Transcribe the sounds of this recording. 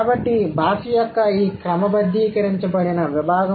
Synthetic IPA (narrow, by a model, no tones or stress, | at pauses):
bɐʈːibʱaːʂijɐkːɐiːkɾɐmɐbɐd̪ʱːiːkɐɾiɲt͡ʃɐpɐɽinɐʋibʱaːɡɐ